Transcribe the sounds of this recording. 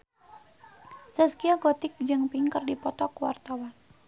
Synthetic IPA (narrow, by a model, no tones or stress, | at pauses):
səskiaɡɔt̪ɪk̚d͡ʒɨŋpiŋkərdipɔt̪ɔkwa̰rt̪awan